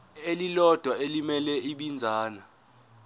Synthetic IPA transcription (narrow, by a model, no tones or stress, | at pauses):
elilɔd̥ʱwaelimɛlɛiɓind͡zʱaːna